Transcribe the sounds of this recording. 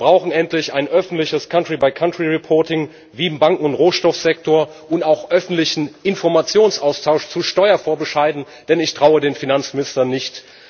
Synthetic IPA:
b̥ʁaʊxn̩ɛntlɪçaɪnʔœfn̩tlɪçəskʰantʁ̥ibaɪkʰantʁ̥iʁɛpʰɔɐtɪŋ | viːɪmbaŋkŋ̩ʊntʁoːʃtɔfz̥ɛk̚tʰoːɐ | ʔʊntaʊxʔœfn̩tlɪçn̩ʔɪnfɔɐmat͡sjoːnsʔaʊstʰaʊʃt͡suʃtɔʏɐfoːɐbəʃaɪdn̩ | d̥ɛnɪçtʁ̥aʊədeːnfinant͡smɪnɪstɐnɪçt

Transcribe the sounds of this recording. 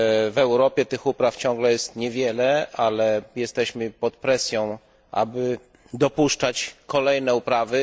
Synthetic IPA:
vɛwɾɔpʲjɛt̪ɘxupɾaft͡ɕɔ̃ŋɡlɛjɛst̪ɲɛvʲjɛlɛalɛjɛst̪ɛɕmɘpɔt̪pɾɛsʲjɔ̃w̃ | ʔa̰bɘ | d̪ɔpuʂt͡ʂat͡ɕkɔlɛjnɛupɾavɘ

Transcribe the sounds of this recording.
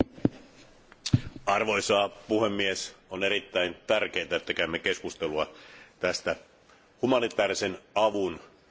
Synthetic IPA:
ɑrʋo̞isɑːpuhemːiesoneɾit̪ːæint̪ærk̟eit̪æet̪ːækæymːekeskust̪eluɑt̪æst̪æ | humɑnit̪ˑæːɾisenɑʋun

